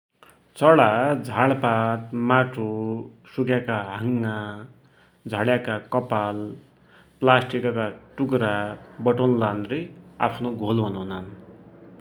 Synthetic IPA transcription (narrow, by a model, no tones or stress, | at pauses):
t͡sʌɽad͡zʱaɭpat̪maʈʰo | sukjakaɦaŋːa | d͡zʱʌɽjakakʌpal | plasʈikʌkaʈukɾabʌʈonland̪ria̰pʰnoɡʱolɦunɦnan